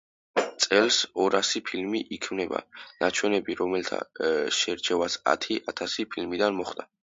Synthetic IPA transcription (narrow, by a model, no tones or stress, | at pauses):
t̪sʼɛlsɔɾasipʰilmiʔikʰmnɛba̰nat͡ʃʰwɛnɛbiɾɔmɛlt̪ʰa̰ʃɛɾt͡ʃʰɛvasa̰t̪ʰiʔat̪ʰasipʰilmid̪anmɔχd̪a